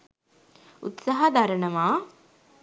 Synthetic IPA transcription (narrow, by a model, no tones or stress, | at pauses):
ṵt̪saɦad̪aɾənəʋaː